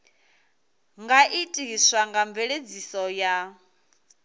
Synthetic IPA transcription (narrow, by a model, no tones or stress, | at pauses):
ŋɡaʔitʼiɦiswaŋɡaɱb̪veɺed͡zisɔja